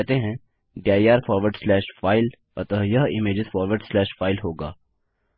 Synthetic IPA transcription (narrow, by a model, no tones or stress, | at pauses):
ɛɦt̪eɦɛ̃ | ɖiaːjaːɾfɔːɾʋəɾɖslɛːʃfaːɪl | ɐt̪əɦjɐɦɪmeːd͡ʒɪzfɔːɾʋəɾɖslɛːʃfaːɪlɦoːɡaː